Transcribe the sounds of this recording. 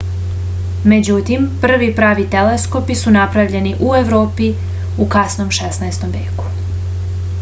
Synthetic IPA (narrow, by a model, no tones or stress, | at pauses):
me̞d͡ʑut̪impr̩ʋipɾaːʋit̪elesko̞pisunapɾaʋʎe̞niʔue̞ʋɾoːpi | ukasnomʃesnaest̪o̞mʋje̞̰ːku̥